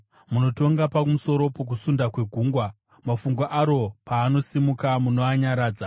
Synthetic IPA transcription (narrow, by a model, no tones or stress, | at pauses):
muno̞to̞ŋɡapakumuso̞ɾo̞pok̬usundakwe̞ɡʱuːŋɡwa | mafuŋɡwaʔaɾo̞paːno̞simukamunoaɲaɾaːd͡za